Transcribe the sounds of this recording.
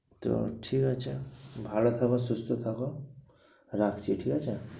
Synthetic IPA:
t̪o̰ʈʰikat͡ʃʰebʱalot̪ʰakɔsʊst̪ʰot̪ʰako | ɾakʰt͡ʃʰiʈʰikat͡ʃʰe

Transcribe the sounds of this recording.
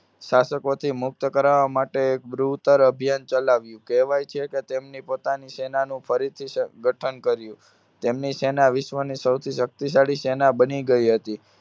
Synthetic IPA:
ʃasəkot̪ʰimʊk̚t̪əkəɾaʋamaʈeːk̚bɾut̪əɾəbʱijant͡ʃəlaʋjũkɛʋajt͡ʃʰeket̪emnipot̪anisɛnanũfʰəɾit̪ʰisəɡʱəʈʰənkəɾjũ | t̪emnisɛnaʋɪʃʋənisəwt̪ʰiʃək̚t̪is̬aɽisɛnabəniɡəiɦət̪i

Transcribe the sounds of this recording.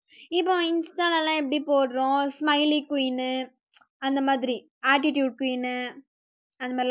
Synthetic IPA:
ɪpːõːɪnsʈaːlɐlãːɛp̬ːɐɽipoːɽɾõːsmɐɪlikʊjnɯ | ɐnd̪ɐmaːðɪɾi | aːʈ̬ɪʈjuːɖ̚kʊjɪnɯ | ɐnd̪ɐmaː

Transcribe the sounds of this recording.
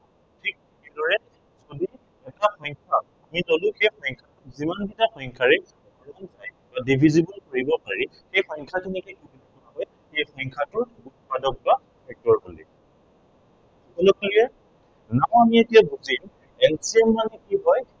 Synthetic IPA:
tʰik̚ | kedɔɹɛ | zodi | ɛtaxɔjŋkʰa | amitolʊ̃xejxɔjŋkʰaʊzimanbitaxɔjŋkʰaɹɛ | bɔɹɔnzaj | badibʱizibɔlkoɹibɔpaɹi | xejxɔjŋkʰatʰɛnɛkɛkititakɔnaɦɔj | xejxɔjŋkʰatʊɹbutpadɔk̚ba | pʰɛk̚tɔɹkolḭ | kɔlɔkliɛ | naɦɔamietijabuzim | ɛlsiɛmːanɛkiɦɔj

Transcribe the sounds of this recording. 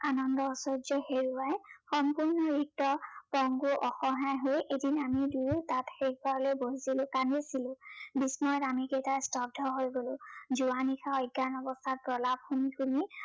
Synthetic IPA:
anɔndɔːsɔzɔheɹuajxɔmpuɹnɔɹik̚tɔpɔŋɡuʔɔxɔɦajɦojedinamiduɹutatxekbaɹlojbozilʊ̃kanesilʊ̃bismɔtamikejtastɔp̚dʱɔɦojɡolʊ̃zuanikʰaɔjɡːanɔbɔstʰat̚pɹɔlab̚xumixuni

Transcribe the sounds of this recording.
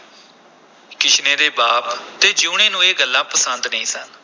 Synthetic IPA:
kɪt͡ʃʰneːd̪eːbaːpt̪eːd͡ʒuːɽẽːnũːeːɡəlːaːpəsənd̪nəĩːsən

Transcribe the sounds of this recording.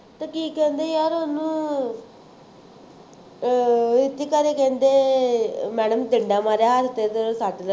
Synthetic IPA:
t̪aːkiːkɛ̃ːnd̪eːjaːɾɦoːnũː | ɪt̪ːiːkaɾeːkɛ̃ːnd̪eː | mɛːɽəmt̪ɪɳɖaːmaːɾjaɦaɾt̪eːd̪əsaːʈl

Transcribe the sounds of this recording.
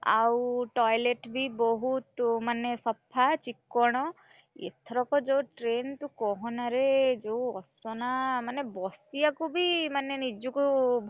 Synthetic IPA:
a̰wʈɔjleʈbʱibɔɦut̪manːesɔpʰːat͡ʃikːɔɽ̃ɔ | ḛt̪ʰɔɾɔkɔd͡ʒowʈɾent̪ukɔɦɔnaɾed͡ʒewɔsɔnamanebɔsijakubʱimanenid͡ʒɔkubʱ

